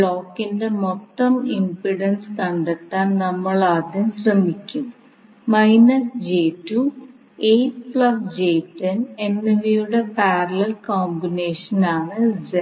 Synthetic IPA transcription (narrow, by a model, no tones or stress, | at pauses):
ɭoːkːinde̞mot̪ːɐmimpɾiɽɐnskɐɳɖɐkt̪ːaːnnɐmːɐɭaːd̪jɐmɕrɐmikʲːum | mɐjnɐsd͡ʑeːtːu | eːsplɐsd͡ʑeːtːɐnenːeʋijuɽe̞paːɾɐlɐlkoːmbine̞ːʂɐnaːɳɨze